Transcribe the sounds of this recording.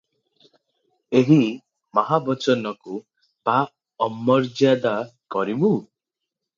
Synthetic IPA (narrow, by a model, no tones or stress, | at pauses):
eɦi | maɦabɔt͡ʃɔnɔku | pa | ɔmːɔɾd͡ʒjad̪akɔɾibu